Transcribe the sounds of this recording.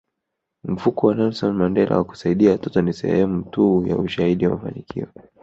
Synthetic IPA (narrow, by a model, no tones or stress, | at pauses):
m̩fukɔwanalsɔnmandɛla̰waku̥saiɗiawatɔtɔnisɛ̰hɛmutuja̰uʃahiɗiwamafa̰nikʰḭɔ